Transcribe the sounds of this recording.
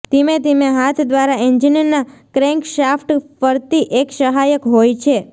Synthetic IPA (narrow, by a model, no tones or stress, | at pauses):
t̪emet̪emeɦat̪ʰd̪ʋaɾaiɲd͡ʒinəɾnakɾeŋkʃafʰʈfəɾt̪iʔekʃəɦajəkɦojt͡ʃʰe